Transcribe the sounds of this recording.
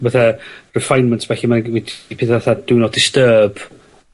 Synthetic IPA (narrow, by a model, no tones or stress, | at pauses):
vaθɛrɛfajnməntsvɛɬimanwidpʰɪːθvaθad̥ɪnɔd̥ɪstəːb̥